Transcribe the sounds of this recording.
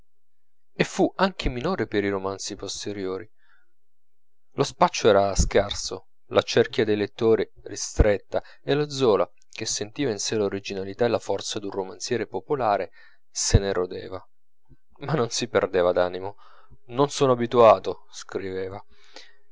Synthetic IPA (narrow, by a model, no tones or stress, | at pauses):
efuaŋk̟ʰeminoːɾepeɾiɾomant̪sipost̪eɾjoːɾi | lospat͡ʃːoɛːɾaskarso̰ | lʔat͡ʃɛrkjad̪ejlet̪ːoːɾi | rist̪ɾet̪ːa | elad̪zɔːla | k̟esːent̪iːvainseloɾid͡ʒinalit̪aelafɔrt̪sad̪unromant̪sjɛːɾepopolaːɾe | seneɾod̪ḛːva | manːonsiperd̪eːvad̪aːnimo | nonsoːnoabit̪uaːt̪o | skɾiveːva